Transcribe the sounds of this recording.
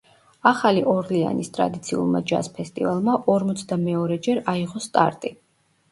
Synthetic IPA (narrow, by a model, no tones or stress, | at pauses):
aχaliʔɔɾlia̰nist̪ʼɾa̰d̪it̪sʰiṵlˠma̰d͡ʒa̰spʰɛst̪ʼivalˠmaʔɔɾmɔt̪sʰd̪amɛɔɾɛd͡ʒɛɾaiʁɔst̪ʼa̰ɾt̪ʼi